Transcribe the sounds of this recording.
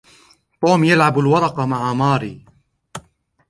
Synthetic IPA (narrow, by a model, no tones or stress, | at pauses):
t̪ˤuːmjalʕabalwɑɾˤɑqɑmaʕamaːɾiː